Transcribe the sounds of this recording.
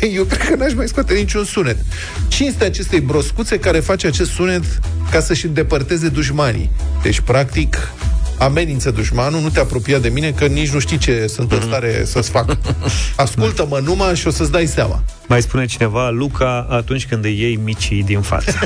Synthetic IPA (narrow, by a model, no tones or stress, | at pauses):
jewkɾed̪kənaʃmajskat̪enit͡ʃunsune̞t̪ | t͡ʃije̞st̪eat͡ʃe̞st̪ejbɾo̞skut̪se̞kaɾe̞fat͡ʃat͡ʃe̞st̪sune̞t̪kasəʃɨnd̪e̞pərt̪e̞ze̞d̪uʒmanḭd̪̥e̞t͡ʃʲpɾak̚t̪ik | ame̞nint̪səd̪uʃmanunut̪eapɾo̞piad̪e̞mine̞kənit͡ʃʲnuʃt̪ijt͡ʃe̞sunt̪ɨnst̪aɾe̞sət̪sfak | askult̪əmənumaʃio̞səs̬d̪ajsa̰ma̰ | majspune̞t͡ʃine̞valukʰaat̪unt͡ʃʲkɨnd̪jejmit͡ʃid̪infa̰t̪ə